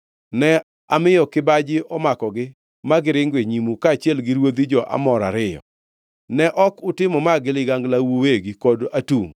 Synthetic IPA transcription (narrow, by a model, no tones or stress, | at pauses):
nɛ | amɪjɔkɪbad͡ʒɪɔmakɔɡɪ | maɡɪɾɪŋɡweɲimukaːt͡ʃɪɛlɡɪɾwod̪id͡ʒɔʔa̰mɔɾa̰ɾɪjɔ̰ | nɛʔɔkʊtɪmɔmaɡɪlɪɡaŋɡlawoweɡikɔdatuŋ